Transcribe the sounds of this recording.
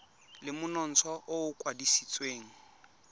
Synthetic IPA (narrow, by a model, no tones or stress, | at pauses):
lɪmʊnɔn̩t͡sʰɔʔoʊkʼwadisit͡sʼweːŋ̩